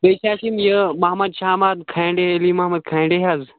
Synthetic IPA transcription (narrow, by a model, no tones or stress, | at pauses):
beːt͡ʃʰaːsimjəmɐɦmɐd̪ʃaːmaːd̪kʰãːɳɖeɐliːmɐɦmɐd̪̚kʰãːɳɖeɦaːz